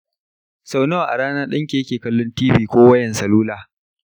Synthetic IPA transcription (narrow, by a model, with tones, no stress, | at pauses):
sa˨wnɐ˦wa˨ʔa̰˨ɽaː˦naː˦ɗɐ˦ŋkʲe˨jkʲeː˨kɐ˦lːʊ˦ntiː˦ɸiː˨kʷoː˦wɐ˦jɐ˨nsɐ˨luː˦laː˨